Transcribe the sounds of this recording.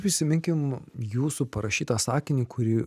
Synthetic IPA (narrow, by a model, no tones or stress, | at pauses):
pɾʲɪsʲɪmʲɪŋʲkʲɪmjuːsupɐɾɐʃʲiːt̪ɑːsɑːkʲɪnʲiːkʰʊɾʲɪː